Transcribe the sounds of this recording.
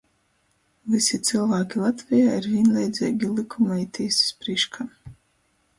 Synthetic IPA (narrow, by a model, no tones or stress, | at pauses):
visʲit̪sɨlˠvaːkʲilˠat̪vʲijaːiɾvʲiɛnlʲɛjd̪zʲɛ̰ːɡʲilˠikʰumlɛit̪ʰisi̥spɾiʃkʰa